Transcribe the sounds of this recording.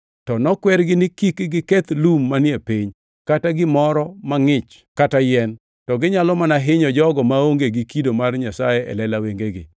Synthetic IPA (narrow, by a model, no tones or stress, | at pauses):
tɔnɔkwɛɾɡɪnɪkikɡɪkɛt̪lumːanɪepiɲ | kataɡɪmɔɾɔmaŋɪt͡ʃ | katajɛn | tɔɡɪɲalɔmanaɦɪɲɔd͡ʒɔɡɔmaoŋɡeɡɪkidomarɲasajɛʔɛ̰lɛlaweŋɡeɡɪ̰